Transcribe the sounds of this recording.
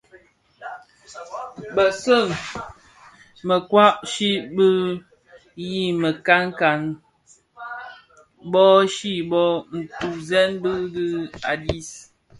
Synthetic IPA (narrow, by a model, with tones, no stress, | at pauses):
bə˨sə˦˨ŋ | mə˨kwa˦ʔʃi˦bə˦ | ji˦˨mə˨ka˦ŋ˦ka˨n | bɔ˦ʃi˦bɔ˦n̩˨tu˨zɛ˦nbə˦dɨ˦a˨di˦s